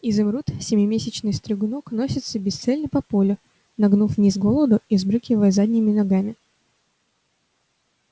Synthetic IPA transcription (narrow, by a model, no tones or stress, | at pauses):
izɨmɾut̪sʲɪmʲɪmʲesʲɪt͡ɕnɨjst̪ɾʲɪɡnoknosʲɪt̪səbʲɪst̪sɛlʲnəpɐpolʲʊ | nɐɡnufnʲizɡo̞lˠəd̪ʊizbɾɨkʲɪvəjzadʲnʲɪmʲɪnɐɡamʲɪ